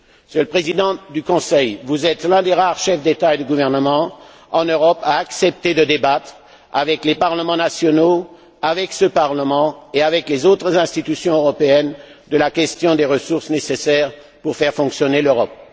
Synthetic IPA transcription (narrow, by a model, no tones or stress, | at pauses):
sjələpχezid̪ɑ̃d̪ykɔ̃sɛjvuzɛt̪lɛ̃d̪eʁaʁʃɛfd̪et̪aed̪əɡuvɛʁnəmɑ̃ | ɑ̃nøʁɔpaːksɛp̚t̪ed̪əd̪ebat̪χ | a̰vɛklepaʁləmɑ̃nasjɔno | avɛksəpaʁləmɑ̃eavɛklezot̪χəzɛ̃st̪it̪ysjɔ̃øʁɔpeɛnd̪əlakʲɛst̪jɔ̃d̪eʁəsuʁsnesesɛːʁ | puʁfɛʁfɔ̃ksjɔneløʁɔp̚